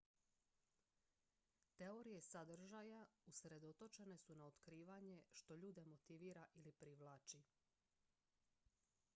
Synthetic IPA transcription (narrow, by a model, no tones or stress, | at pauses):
t̪e̞oɾije̞sad̪r̩ʒajausɾe̞d̪o̞t̪o̞t͡ʃe̞ne̞sunaot̪kɾiːʋaɲe̞ʃt̪o̞ʎuːd̪e̞mo̞t̪iʋiːɾaʔilipɾiʋlˠaːt͡ʃi